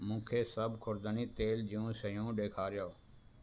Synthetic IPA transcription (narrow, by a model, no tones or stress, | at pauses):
mũːkʰeːsəbkʰʊɾd̪əniːt̪eːld͡ʒɪũːsəjũːɖeːkʰaːɾɪjoː